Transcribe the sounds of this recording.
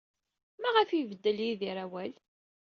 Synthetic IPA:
mæʁəfivəd̪ːəljiðiɾæwæl

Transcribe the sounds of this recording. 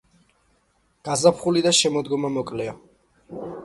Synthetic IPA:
ɡ̥azapʰχulid̪aʃɛmɔd̪ɡɔmamɔkʼlɛɔ

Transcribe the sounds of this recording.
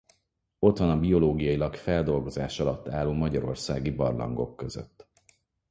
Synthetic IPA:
o̞t̪ʋɒnɒbio̞loːɡijɒjilɒkfɛld̪o̞lɡo̞zaːʃɒlɒt̪ːaːluːmɒɟɒɾo̞̰rsaːɡibɒrlɒ̰ŋɡo̞̰kːø̞zø̰t̪ː

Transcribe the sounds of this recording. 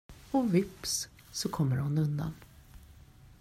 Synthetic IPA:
ɔvɪps | sɔkʰɔmːəɾhʊnɵnd̪a̰n

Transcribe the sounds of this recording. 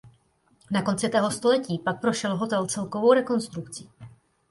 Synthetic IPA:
nako̞nt͡sɪt̪ɛːɦo̞st̪o̞lɛciːpak̚pɾo̞ʃɛlɦo̞t̪ɛlt͡sɛlkovowɾɛko̞nst̪ɾukt͡si̥ː

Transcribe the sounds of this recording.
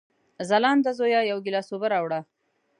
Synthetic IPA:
zalɑːnd̪azojɑjawɡɪlɑsobaɾɑwɽa

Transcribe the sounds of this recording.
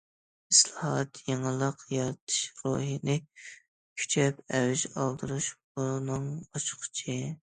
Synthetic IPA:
islˠɑhɑt̪jeŋɨlˠəqjɑɾt̪ʰɨ̥ʃɾoɦinɪ | kʲʰy̥t͡ʃʰɛpɛwyʒɑlˠd̪ɨɾuʃbunɨŋɑt͡ʃʰqʰt͡ʃʰi

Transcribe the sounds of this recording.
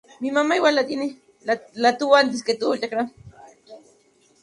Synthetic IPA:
mimamajwalat̪ini | lat̪uwant̪ɪsket̪ulakɾam

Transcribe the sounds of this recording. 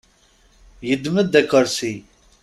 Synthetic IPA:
jəd̪məd̪ækːəɾsi

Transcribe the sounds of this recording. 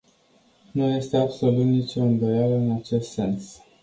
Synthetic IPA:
nuje̞st̪e̞abso̞lut̪nit͡ʃoɨnd̪o̞jaləɨnat͡ʃe̞st̪se̞ns

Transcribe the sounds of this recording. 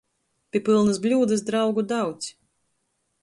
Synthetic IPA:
pʲiɛpɨlˠnɨsblʲuːd̪ɨs̬d̪ɾawɡud̪awt̪s

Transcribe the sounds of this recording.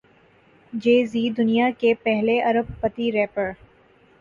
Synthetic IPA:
d͡ʒeːzid̪ʊnijakepɛɦleʔɐɾəbːɐt̪iɾɛːpəɾ

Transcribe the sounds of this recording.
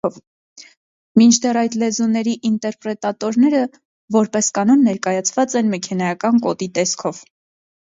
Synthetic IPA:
ɔv | mint͡ʃʰd̪ɛrɑjd̪lɛzunɛɾiʔint̪ɛɾpɾɛt̪ɑt̪ɔɾnɛɾə | vɔɾpɛskɑnɔnːɛɾkɑjɑt͡sʰvɑt͡sɛnmɛkʰɛnɑjɑkɑnkɔt̪it̪ɛskʰɔv

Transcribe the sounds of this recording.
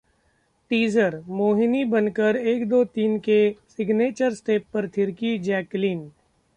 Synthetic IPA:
ʈiːzəɾmoːɦɪnibɐnkəɾeːkd̪oːt̪iːnkesɪɡneːt͡ʃəɾsʈeːpːɐɾt̪ʰɪɾkid͡ʒɛːkliːn

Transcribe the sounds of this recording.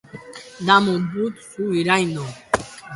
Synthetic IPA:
d̪amud̪ut̪suviɾajnɔ

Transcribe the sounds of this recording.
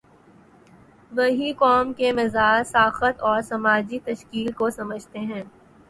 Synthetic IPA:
ʋɐɦikɔːmkemɪzaːd͡ʒsaːxət̪ɔːɾsɐmaːd͡ʒit̪ɐʃkiːlkosɐməd͡ʒʱt̪eɦɛ̃ː

